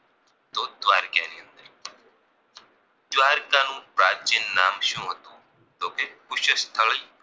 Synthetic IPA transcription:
t̪od̪ʋaːɾkjaniənd̪əɾ | d̪ʋaːɾkanũːpɾaːt͡ʃinːaːmʃũːɦət̪ũ | t̪okekʊʃəst̪ʰəɭəi

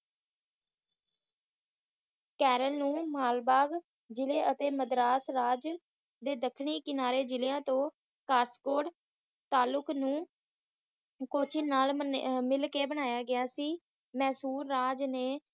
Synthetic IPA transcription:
kɛːɾəlnũːmaːlbaːɡ | d͡ʒɪleːʔət̪eːməd̪ɾaːsɾaːd͡ʒ | d̪eːd̪əkʰɳiːkɪnaːɾeːd͡ʒɪleːãːt̪õː | kaːɾskoːʈ | t̪aːlʊknũː | koːt͡ʃʰɪnaːlmɪlkeːbəɽ̃aːjaːɡɪjaːsiː | mɛ̃ːsuːɾːaːd͡ʒneː

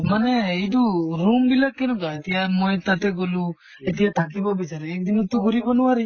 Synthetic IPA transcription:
maneiduɾumbilak̚ːɛnɔkaet̪ijamojt̪at̪ɛɡɔlu | et̪ijat̪ʰak̬ibɔbit͡ʃaɾɛːk̚d̪inut̪uɡuɾibɔnuwaɾi

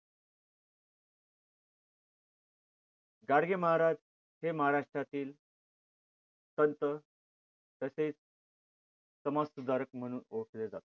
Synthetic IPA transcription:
ɡaɽɡeməɦaɾa | ɦeməɦaɾaʂʈɾat̪iːl | t̪ənt̪ə | t̪əseit͡s | t͡səmassud̪aɾək̚m̤əɽ̃uːnoʈʰled͡zat̪o̥

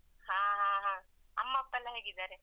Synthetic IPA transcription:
hãːɦãːɦãː | ɐmːɐːpːɐlːɐɦeːɡid̪aːɾe

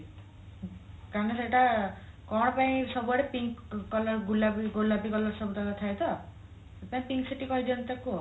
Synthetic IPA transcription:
kaɾneseʈakɔɽ̃paĩsɔbuaɽepiŋkkɔlɔɾɡulabiɡolabikɔlɔɾsɔbut̪at̪at̪ʰajt̪ɔ | sepaĩpiŋksiʈikɔɦid̪iɔnt̪eku

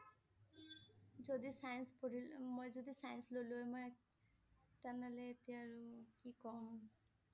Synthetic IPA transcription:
d͡ʒod̪isajnspoɽ̤ilmojzod̪isajənsloluemɔj | t̪analeːt̪iaɹukikɔm

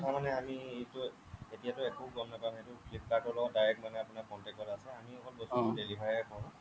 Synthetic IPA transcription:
tʰamanɛamietʊ | etijatʊekoɡɔmnapamɦetʊpʰit̚kakɔɹlɔɡɔt̚dajɹɛkmanɛapʊnapɔntɛkɔlasɛamiɔkɔtbɔsudelibʱajɛkʰɔw̃

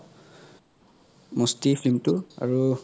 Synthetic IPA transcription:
mostipʰlimtua̰ɹu

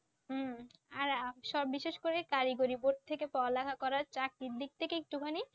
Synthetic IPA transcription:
aɾaʃɔbiʃeʃkoɾekaɾiɡoɾiboʈ̚t̪ʰekepɔalakʰakɔɾaɾt͡ɕak̚ɾid̪ik̚t̪ʰekeek̚ʈukʰani

